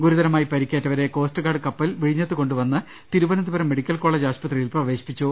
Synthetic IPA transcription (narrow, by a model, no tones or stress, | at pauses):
ɡuɾuðɐɾɐmaːjipɐɾikʲːeːtːɐʋɐɾe̞ko̞ːsʈɨkaːɽɨkɐpːɐlʋiɻiɲːɐt̪ːɨko̞ɳɖuʋɐnːɨ | t̪iɾubɐnɐd̪ubɐɾɐmːeɽikʲːɐlko̞ːɭeːd͡ʑaːɕpɐt̪rijilprɐʋe̞ːɕi̥pːit͡ɕːu